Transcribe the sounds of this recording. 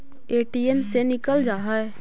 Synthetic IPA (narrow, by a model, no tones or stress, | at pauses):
eːʈiːɛmsenɪkəld͡ʒaːɦaɛ